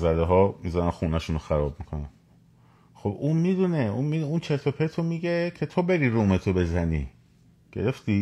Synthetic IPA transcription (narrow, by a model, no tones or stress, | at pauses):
zæd̪eɦɒːmizænænxuːnæʃunoxæɾɒːb̚mikʰo̞næn | xo̞buːnmid̪uneuːnmid̪unt͡ʃʰelt̪ʰopʰet̪ʰomiːɡecʰe̞t̪ʰobe̞ɾiɾuːme̞t̪ʰobe̞zænḭː | ɡ̥e̞ɾe̞ft̪i